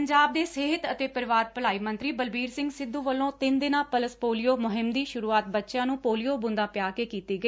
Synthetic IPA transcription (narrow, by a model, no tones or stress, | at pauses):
əɲd͡ʒaːb̚d̪eːseːɦət̪ət̪eːpəɾʋaːɾpəlaːiːmə̃nt̪ɾiːbəlbiːɾsɪ̃ŋɡsɪd̪ːuːʋəlːõːt̪ɪnd̪ɪnãːpələspoːlijoːmʊɦɪmd̪iːʃʊɾuːaːt̪̚bətːʃjãːnũːpoːlijoːbʊ̃nd̪ãːpjaːkeːkiːt̪eːɡəeː